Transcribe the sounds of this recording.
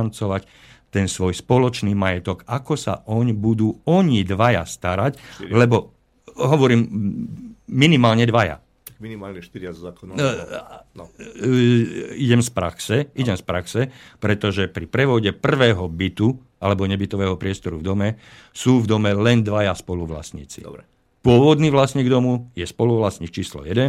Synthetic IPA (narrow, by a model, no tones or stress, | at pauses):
nt͡sɔʋac | t̪ɛnsʋɔjspɔlɔt͡ʃniːmajɛt̪ɔɡakɔsa̰ʔɔɲbud̪uːɔɲid̪ʋaja̰st̪aɾaclɛbɔ | ɦɔʋɔɾiːmː | inimaːlɲɛd̪ʋaja̰ | t̪aminimaːlɲɛʃt̪iɾzak̪ | iɟɛmspɾa̰ksɛiɟɛmspɾaksɛpɾɛt̪ɔʒɛpɾipɾɛʋɔɟɛpr̩ʋɛːɦɔbit̪u | alɛbɔɲɛbit̪ɔʋɛːɦɔpɾɪɛst̪ɔɾuvd̪ɔmɛ | suːvd̪ɔmɛlɛnd̪ʋajaspɔluʋla̰sɲḭːt͡sḭ | pʊɔʋɔd̪niːʋlasɲiːɡd̪ɔmujɛspɔluʋlasɲiːk̚t͡ʃiːslɔ̰jɛd̪ɛn